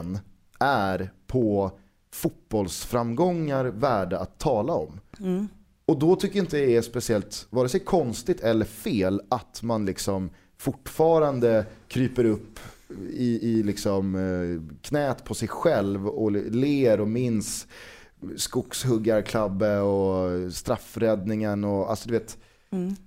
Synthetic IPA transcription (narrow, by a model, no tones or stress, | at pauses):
n | æɾpʰɔ | fʊt̪̚b̥ɔlsfɾamːɡɔŋːaɾvæːɖaat̪ʰːɑːlaɔm | ɔd̪ɔt̪ʰʏkːəɾɪnt̪əd̪jaɛspɛsɪɛlt̪vɑːɾɛsɛkʰɔnst̪ɪt̪ʰɛlːəɾfeːlat̪manlɪksɔm | fʊʈːfɑːɾand̪əkʰɾyːpəɾɵpːɪɪlɪksɔm | kʰnɛːt̪pʰɔsɛjɧɛlvɔleːɾɔmɪns | skʊkshɵɡːaɾkʰlabːəɔst̪ɾafɾɛd̪nɪŋənɔalsɔd̪ɵveːt̪